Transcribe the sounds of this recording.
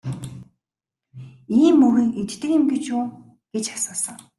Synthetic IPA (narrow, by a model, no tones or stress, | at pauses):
iːmːɵɾɘ̆ŋet͡ɕt̪ɘ̆kɪ̆mɡet͡ɕuː | ɡ̥et͡ɕḁsʊːsə̆ŋ